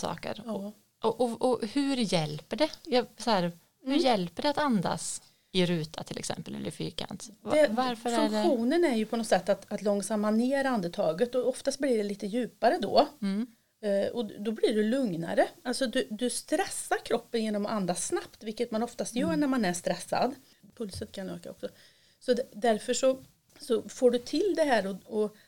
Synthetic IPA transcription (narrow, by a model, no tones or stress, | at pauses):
sɑ̰ːkə̰ɾ | ʔɔʔɔɔhʉɾjɛlpəɖɛjɑsɔhæːɾ | hʉɾjɛlpəɖɛat̪and̪a̰s | ɪɾʉ̟ːt̪ʰat̪ʰɪlɛ̰ksɛ̰mpəlɛ̰lɾɪfy̰ːɾkʰa̰nt̪ɛvaɾfœɾɵŋkɖɛɧuːnənæɾjɵpʰɔnɔsɛt̪ːat̪at̪lɔŋsamːaneːɾand̪ət̪ʰɑːɡət̪ːɔɔft̪ast̪̚blɪɖɛliːt̪əjʉ̟ːpaɾəd̪ɔ̰ | ɔd̪ɔbliɖɵlɵŋna̰ɾəalsɔd̪ɵd̪ɵst̪ɾɛsːaɾkʰɾɔpːənjeːnɔmʔand̪asnapt̪vɪlkːət̪manɔft̪ast̪jœːɳæɾmanæʂt̪ɾɛsːa̰d̪ | pʰɵlsənkʰanø̰ːka̰ɔ̰ksɔ | sɔd̪ɛd̪æɾfœʂɔ | sɔfoːɖɵt̪ʰɪld̪ɛɦæːɾɔɔ